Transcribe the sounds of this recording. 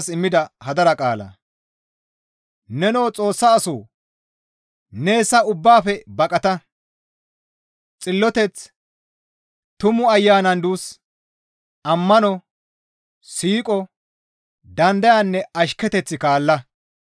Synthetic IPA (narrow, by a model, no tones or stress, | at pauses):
sɪmːɪd̪ɐhɐd̪ɐɾɐkʼaːlɐ̰ | nɛno̞ːt͡sʼo̞ːsːaːsoː | ne̞ːsːɐʊbːaːfɛbɐkʼɐt̪ɐ | t͡sʼɪlːɔt̪ɛt͡s | t̪ʊmʊɐjːaːnɐnd̪uːs | ʔɐmːɐnɔ | siːkʼɔ | d̪ɐnd̪ɐjanːɛɐʃkːɛt̪ɛt͡sːɪkaːlːɐ